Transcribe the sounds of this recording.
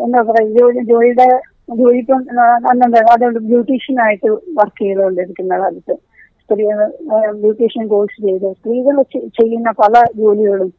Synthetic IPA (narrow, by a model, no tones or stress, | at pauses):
end̪aːpːɐrɐjd͡ʑoːlid͡ʑo̞ːliɽe | d͡ʑo̞ːlipʲːoɐnːeɳɖɐɐðoɭɖɨbjuːʈːiːʂɐnaːjiʈːɨʋɐrkːiŋɡɐnɐoɳɖɨiðikʲːunːɐkɐlɐt̪ːɨ | st̪riːɐbjuːʈiːʂɐnɡo̞ːsɨt͡ɕe̞jt̪ɨst̪riːɣɐɭt͡ɕt͡ɕe̞jːunːɐpɐlɐd͡ʑo̞ːliɣɐɭum